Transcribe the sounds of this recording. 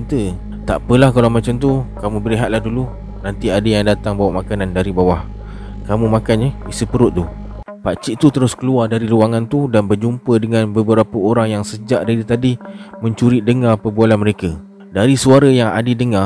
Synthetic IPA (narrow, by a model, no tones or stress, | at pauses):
nt̪ə | t̪a̰ʔpəlahkalawmat͡ʃamt̪ukamũbəɾiɦat̪̚lahdulu | nant̪iadəjaŋdat̪aŋbawaʔmakanandaɾibawah | kamũmakanɲəisupəɾʊʔ̪̚t̪u | pat͡ʃiʔt̪ut̪əɾʊskəluardaɾiluwaŋant̪udanbərd͡ʒumpədəŋanbəbəɾapəoɾaŋjaŋsəd͡ʒaʔdaɾit̪adimə̃ɲt͡ʃuɾidəŋarpəbualanməɾeka | daɾisuaɾəjaŋa̰dədəŋa